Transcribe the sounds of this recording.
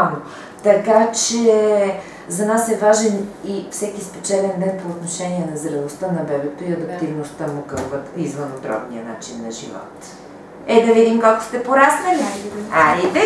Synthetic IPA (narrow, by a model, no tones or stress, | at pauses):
no | t̪ɐkat͡ʃɛ | zɐnasɛvaʒɛnifsɛkispɛt͡ʃɛlɛnd̪ɛnpoːt̪noʃɛniɛnɐzɾɐnost̪ənɐbɛbɛt̪oiɐd̪ɐkt̪ivnost̪əmokəlvət̪izvənod̪ɾɔ̰bnḭəna̰t͡ʃinːɐʒḭvɔ̰t̪ | ɛd̪ɐvid̪imkolˠko̥st̪ɛpoɾasnɐliaɛvɛ